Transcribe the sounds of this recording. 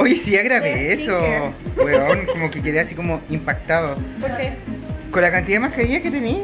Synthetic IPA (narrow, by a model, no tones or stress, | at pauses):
ojsiaɣɾaβeesobweonkomokeke̞ðeasikomoimpak̚t̪aðopoɾkekonlakant̪iðamahkaɾiɲaket̪eni